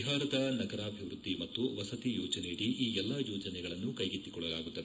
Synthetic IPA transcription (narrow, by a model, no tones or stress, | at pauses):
ɦaːɾɐd̪ɐnɐɡɐɾaːbʱiʋɾud̪ːimɐtt̪ːuʋɐsɐt̪ijɔːd͡ʒɐneiɽiʔiːɛlːɐjɔːd͡ʒɐnɛɡɐɭɐnːukɐjɡit̪ːikɔɭːɐlaːɡut̪ːɐe